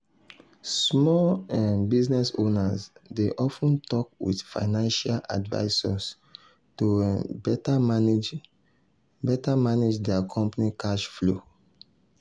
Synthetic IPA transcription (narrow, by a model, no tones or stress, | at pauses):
smɔlãnbiznɛso̰nasdeʔɔfũntɔk̚wḭdfa̰ɪnãnʃala̰dva̰ɪsas | tõnbɛtam | bɛtamaned͡ʒdɛakʰɔ̃mpanikʰaʃflo